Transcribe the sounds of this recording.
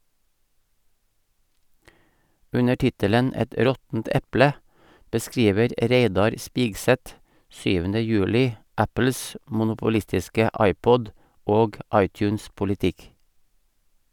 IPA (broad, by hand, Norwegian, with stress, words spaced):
ˈʉnə ˈʈɪtələn ˈɛt ˈɾɔtn̩t ˈɛplə bəˈskɾiːʋəɾ ˈɾeɪdɑɾ ˈspiːɡsɛt ˈsyːʋəndə ˈjʉːlɪ ˈæpl̩s mʊnʊpʊˈlɪstɪskə ˈɑɪˌpɔd ˈoːɡ ˈɑɪˌtjʉːnspʊlɪˌtɪk